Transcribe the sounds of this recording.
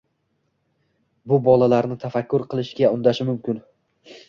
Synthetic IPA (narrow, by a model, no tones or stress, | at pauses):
bʊbɒlˠalaɾnɪt̪ʰafakʲːʊɾqʰɨlˠɪʃɡʲaʊnd̪aʃɪmʊmkʲɪn